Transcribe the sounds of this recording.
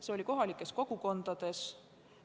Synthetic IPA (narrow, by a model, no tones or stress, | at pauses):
se̞o̞lʲiko̞ɦɑlikːˑe̞sko̞ɡ̥uko̞nd̪̥ɑd̪̥e̞s